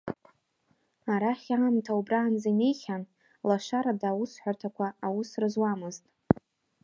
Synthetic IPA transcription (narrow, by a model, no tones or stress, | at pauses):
aɾaχʲaːmtʰaubraːnd͡zaine̞jχʲan | laʂaɾadaːwusħʷartʰakʷʰaawusrɨzwamɨztʼ